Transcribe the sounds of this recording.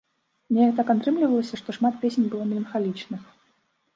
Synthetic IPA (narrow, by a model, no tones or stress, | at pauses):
mnʲɛjkt̪akat̪ɾɨmlʲivɐlˠəsʲɐʂt̪ɔʂmat̪̚pʲesʲenʲbɨlˠɔmʲɛlʲɐnxalʲit͡ʂnɨx